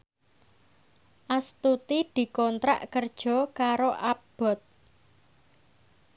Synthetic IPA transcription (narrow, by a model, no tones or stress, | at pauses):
ʔast̪ut̪id̪̥i̤kɔnt̪ɾa̰ʔkərd̥ʒ̥ɔ̤kaɾoʔab̥ɔ̤t̪̚